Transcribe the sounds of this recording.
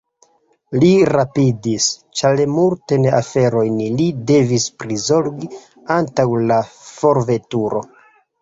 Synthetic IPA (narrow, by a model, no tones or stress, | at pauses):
liɾapidist͡ʃalemultenafe̞ɾo̞jnlide̞vispɾizo̞ɾɡi | antawlafo̞ɾve̞tuɾo̞